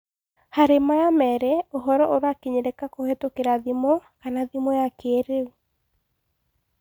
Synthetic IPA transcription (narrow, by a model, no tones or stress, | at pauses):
haɾemajamɛɾeoɦɔɾɔʔoɾoakeɲeɾekakohetokeɾaðimɔkanaðimɔjakeːɾeu